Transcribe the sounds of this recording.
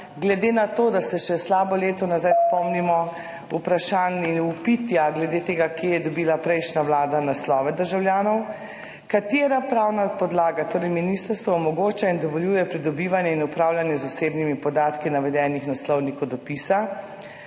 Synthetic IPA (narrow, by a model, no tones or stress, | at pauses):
ɡlɛd̪enat̪oːd̪asɛʃɛslaːbɔleːt̪ɔnazajspɔmnimɔ | upɾaʃaːniupit̪jaɡlɛd̪eːt̪eːɡakjeːjɛd̪ɔbiːlapɾɛjʃnawlaːd̪anaslɔːʋɛd̪əɾʒawljaːnɔw | kat̪jeːɾapɾaːwnapɔd̪laːɡat̪oːɾɛjminist̪əɾst̪ʋɔɔmɔɡoːt͡ʃaind̪ɔʋɔljuːjɛpɾid̪ɔbiːʋanjɛinupɾaːwljanjɛzaseːbnimipɔd̪aːt̪kinaʋɛd̪ɛːnixnaslɔwnikɔd̪ɔpisa